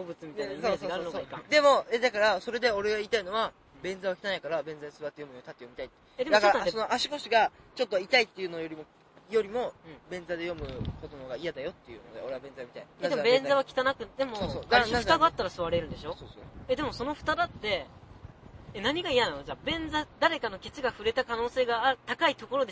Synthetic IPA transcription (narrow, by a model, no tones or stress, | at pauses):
obɯ̟t͡sɨmʲit̪aneziɡaːɾɯ̟noaikãd̪e̞mo̞ed̪akaɾaso̞ɾe̞d̪e̞o̞ɾe̞ɡaiːt̪aino̞βa | bẽ̞nd͡zaβakʲi̥t̪anaikaɾabẽ̞ñzad̪esɨβat̪ːejo̞mɯnot̪at̪ːejomit̪ait̪ː | ed̪ed̪akɾaːesono̞ʔaɕi̥ko̞ɕiɡat͡ɕo̞t̪ːo̞it̪ait̪ːe̞jɯ̟nojo̞ɾʲimo̞ | jo̞ɾʲimo̞ɯ̃ɴbẽ̞nd͡zad̪e̞jo̞mɯ̟ko̞d̪onoɡaijad̪ajo̞t̪ːe̞jɯ̟̰nod̪eo̞ɾe̞abẽzajomit̪aied̪ebẽ̞nzaβakʲi̥t̪anakɯ̟d̪e̞mooaɯt̪aɡaat̪ːaɾasɨβaɾe̞ɾɯ̟̃nd̪e̞ɕo̞sosed̪e̞mo̞so̞no̞ɸɯ̟̥t̪ad̪at̪ːe̞ | enaɲ̟iɡaijanano̞ʑabẽ̞nd͡zad̪aɾe̞kano̞kʲe̞t͡sɨɡaɸɯ̟ɾe̞t̪akano̞ːse̞ːɡaːɯt̪akait̪o̞ko̞ɾo̞d̪e